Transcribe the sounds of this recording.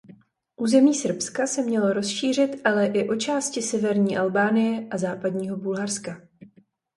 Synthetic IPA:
ʔuːzɛmiːsr̩pskasɛmɲɛlo̞ɾo̞sʃiːr̝ɪt̪ʔalɛʔɪʔo̞t͡ʃaːscɪsɛvɛɾɲiːʔalbaːnɪjɛʔazaːpadɲiːɦo̞bulɦarska

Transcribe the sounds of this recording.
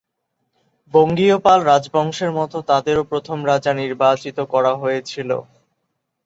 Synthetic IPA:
boŋɡiopalɾad͡ʑbɔŋʃeɾmɔt̪ot̪ad̪eɾopɾot̪ʰomɾad͡ʑaniɾbat͡ɕit̪okɔɾaɦojet͡ɕʰilo̰

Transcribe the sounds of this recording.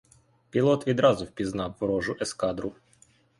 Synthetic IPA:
pʲilˠɔt̪ʋʲid̪ɾɑzʊwpʲiznɑwːɾɔʒʊʔɛskɑd̪ɾʊ

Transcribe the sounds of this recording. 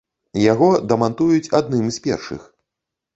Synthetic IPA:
jaɣɔd̪ɐmant̪ujut͡sʲad̪̚nɨmsʲpʲɛ̰rʂɨ̰x

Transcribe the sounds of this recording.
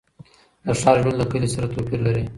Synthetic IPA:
d̪əʂɑlʒɽand̪ləkəlisaɾat̪opiɾlaɾi

